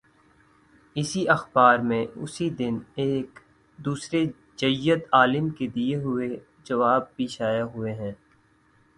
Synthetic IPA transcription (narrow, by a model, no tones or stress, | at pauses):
ɪsiʔɐxbaːɾmẽʊ̰sid̪ɪneːk | d̪uːsɾe | d͡ʒɐjːət̪aːlɪmked̪ieɦʊe | d͡ʒɐʋaːb̚ːiːʃaːjaɦʊeɦɛ̃ː